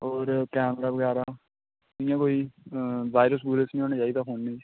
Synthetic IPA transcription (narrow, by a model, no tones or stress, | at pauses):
ɔːɾkɛːmɾaːʋəɡɛːɾaː | ɪ̃jãːkoːiːʋaːɪɾəs̬buːɾesnĩːoːnẽd͡ʒaːid̪aːɦoːnːĩː